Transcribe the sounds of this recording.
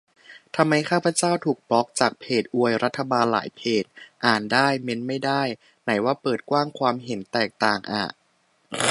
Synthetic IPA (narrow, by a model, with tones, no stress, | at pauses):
t̪ʰa˧mːa˧jkʰaː˥˩pʰa˧t͡ɕaː˥˩wt̪ʰuː˨˩k̚bɔ˦˥k̚t͡ɕaː˨˩k̚pʰeː˨˩t̪̚ʔu˧əjɾa˦˥t̪ʰːa˧baː˧nla̰ː˩˦jpʰeː˨˩t̪̚ʔaː˨˩ndaː˥˩jme˦˥nma˥˩jdaː˥˩j | na˩˦jwaː˥˩pɤː˨˩t̪̚kwaː˥˩ŋkʰwaː˧mɦe˩˦nt̪ɛː˨˩k̚t̪aː˨˩ŋʔa̰ː˨˩ʔ